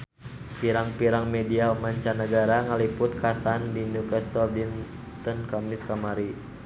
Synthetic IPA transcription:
piɾaŋpiɾaŋmɛdiamaɲt͡ʃanəɡaɾaŋalipʊt̪̚kasandinukɛst̪ɔdin | t̪ɔnkamiskamaɾi

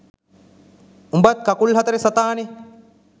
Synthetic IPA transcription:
umbat̪̚kɐkulɦɐt̪ɐɾesɐt̪aːni

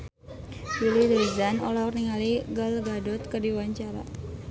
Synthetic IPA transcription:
bilid̪izanɔ̰larniŋaliɡəlɡadɔt̪̚kərdiwaɲt͡ʃaɾa̰

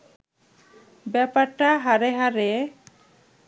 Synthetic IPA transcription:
bɛpaɾʈaɦaɾeɦaɾe

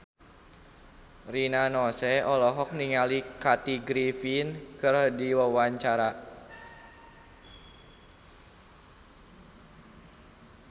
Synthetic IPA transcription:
rinanɔsɛɔlɔɦɔk̚niŋalikat̪iɡɾifinkɨrdiwəwaɲt͡ʃaɾa

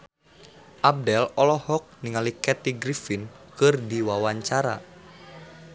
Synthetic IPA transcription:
ʔab̚dɛlɔlɔhɔk̚niŋalikɛt̪iɡɾifinkɨrdiwawaɲt͡ʃaɾa̰

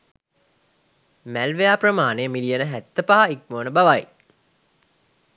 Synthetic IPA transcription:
mælʋejaːprəmaːnejːmilijənəɦæt̪ːəpaɦaik̚moːnəbaʋaj

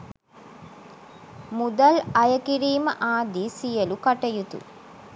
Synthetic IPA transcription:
mud̪ɐlɐjɐkiɾiːmɐʔaːd̪iːsijɐlukɐʈɐjut̪ṵ

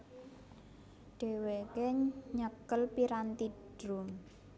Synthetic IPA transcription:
ɖ̥e̤wekeɲəkəlpiɾant̪iɖ̥ɾum

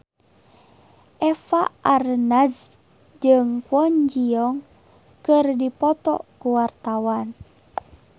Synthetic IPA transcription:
ʔɛfaʔarnaz | d͡ʒəŋkwɔɲd͡ʒiɔŋ | kərdipɔt̪ɔ̰kuwart̪awan

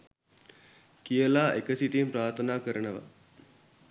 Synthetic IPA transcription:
kijəlaːʔekəsiʈimpɾaːɾt̪ʰənaːkəɾənəʋa̰

